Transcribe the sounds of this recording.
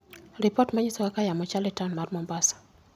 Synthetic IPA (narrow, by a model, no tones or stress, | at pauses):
ɾipɔtmaɲisɔkakajamɔt͡ʃalɛtanmarmɔmbasḁ